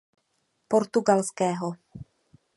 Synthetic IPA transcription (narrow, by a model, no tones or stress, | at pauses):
po̞ɾt̪uɡalskɛːɦo